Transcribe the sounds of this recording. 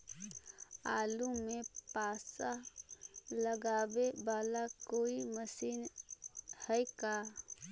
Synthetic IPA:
aːlumẽpaːsa | ləɡaːbebaːlakoːiməsiːn | hɛka

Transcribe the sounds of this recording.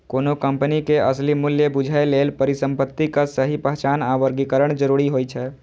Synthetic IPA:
koːnokəmpənikeʔəslimʊljəbʊd͡ʒʱaeleːlpəɾisə̃mpət̪ːikasəɦipəɦt͡ʃaːnaʋəɾɡikəɾəɽ̃d͡ʒəɾuɾiɦojt͡ʃʰɛ

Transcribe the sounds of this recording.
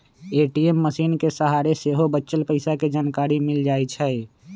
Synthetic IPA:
eːʈiemːəsiːnkesəɦaɾeseɦobətːt͡ʃəlpəɪsaked͡ʒaːnkaːɾimɪld͡ʒaːɛt͡ʃʰɛ

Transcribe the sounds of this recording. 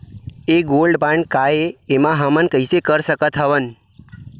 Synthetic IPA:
eɡolɖbãɳɖkaeːmãɦamənkəisekəɾsəkət̪ʰɦəʋən

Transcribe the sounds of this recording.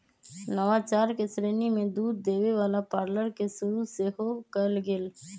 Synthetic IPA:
nəʋat͡ʃaːɾkesɾeːnimẽd̪uːd̪ːeːʋeʋaːlapaːɾləɾkesʊɾusehokəlɡɪl

